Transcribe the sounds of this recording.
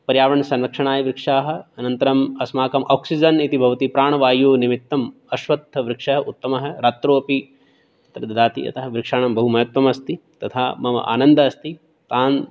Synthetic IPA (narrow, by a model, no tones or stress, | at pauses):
pɐɾjaːʋɐɳɐsɐ̃nɾɐkʂɐɳaːjɐʋɾɪkʂaːɦɐ̆ɐnɐnt̪ɐɾɐmɐsmaːkɐmʔoːksid͡ʒɐnit̪ibʱɐʋɐt̪ipɾaːɳɐʋaːjoːnimit̪ːɐm | ɐʃʋɐt̪ːɐʋɾɪkʂɐɦɐʔut̪ːɐmɐɦɐ̆ɾaːt̪ɾoːɐpi | ɐt̪ɾɐd̪ɐd̪aːt̪ḭɐ̰t̪ɐɦɐʋɾɪkʂaːɳɐmbɐɦumɐjɐt̪ʋɐmɐst̪it̪ɐt̪ʰaːmɐʋɐ̰ʔa̰ːnɐnd̪ɐɐst̪i | t̪aːn